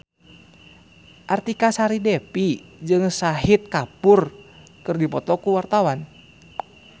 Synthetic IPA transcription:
ʔart̪ikasaɾidɛpid͡ʒɨŋsaɦit̪̚kapurkɨrdipɔt̪ɔkuwart̪awan

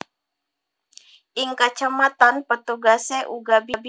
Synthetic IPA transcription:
ʔiŋkat͡ʃamat̪anpət̪uɡasɛʔuɡabib

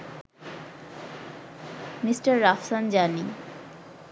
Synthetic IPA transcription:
misʈaɾːafsand͡ʑani

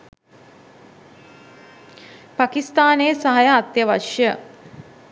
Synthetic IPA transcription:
pakist̪aːneːsaɦajəːt̪jəʋaʃjə

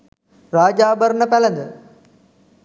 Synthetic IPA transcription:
ɾaːd͡ʒaːbɐɾnəpɛlɐnd̪ə

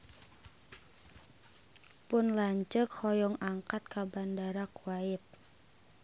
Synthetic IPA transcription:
pʊnlaɲt͡ʃəkhɔjɔŋaŋkat̪̚kabandaɾakwaɪt̪̚

